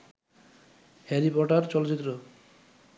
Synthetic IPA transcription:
heɾipɔʈaɾt͡ɕɔloit̪ːɾo

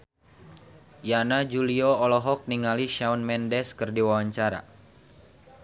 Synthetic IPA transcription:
janad͡ʒuliɔːlɔɦɔk̚niŋaliʃaunmɛndɛskɨrdiwawaɲt͡ʃaɾa̰

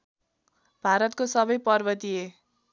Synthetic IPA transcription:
b̥ʱaɾʌt̪̚kosʌbʌjpʌrbʌt̪ie

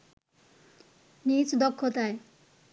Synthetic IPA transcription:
nit͡sd̪ɔkʰːɔt̪ae

